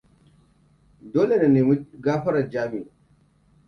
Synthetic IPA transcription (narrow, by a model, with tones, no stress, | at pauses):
doː˦le˨na˨neː˨mu˦ɡaː˦ɸɐ˦ɾa˨d͡ʒaː˦mi˨